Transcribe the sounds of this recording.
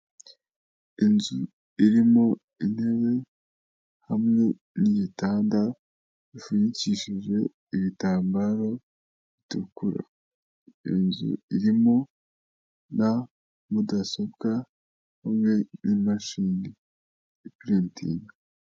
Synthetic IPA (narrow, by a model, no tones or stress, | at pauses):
inzu | iɾimo̞ | in̥he̞βe̞ | hamŋe̞ | nijitaːnda | βifuɲiciʃiʒe̞ | iβitaːmbaɾo̞ | βitukuɾa̰ | ḭnzṵiɾimo̞ | na | mudaso̞b̚ɡa | humŋe̞nimaʃiːni | piɾentḭna